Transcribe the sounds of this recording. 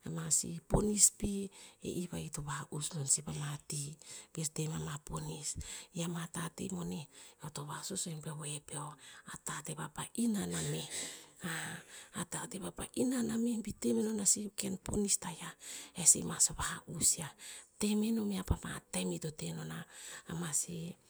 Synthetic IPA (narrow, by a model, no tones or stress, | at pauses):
emasḭpo̰nispiḛʔiβaitoβaʔusnonsipamatibiestemamaponisiamatatḛmo̞neotoβasosoempewoepeoatatebapaʔinanameaatateβapa̰ʔinanamebitemenonasikenpʰonistajaesḛmasoβahaʔusiate̞meno̞meapamatamitotenonaːmasi